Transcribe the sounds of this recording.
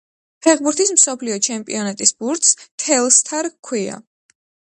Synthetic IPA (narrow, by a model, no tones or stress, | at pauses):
pʰɛχbuɾt̪ʰismsɔpʰliɔt͡ʃʰɛmpʼḭɔnat̪ʼisbuɾt̪st̪ʰɛlˠst̪ʰaɾkʰwia̰